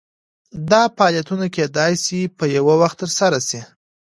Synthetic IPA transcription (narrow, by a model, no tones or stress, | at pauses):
d̪ɑpaɑljat̪unakʲed̪ɑjsipəjawawaxt̪ːəɾsaɾasi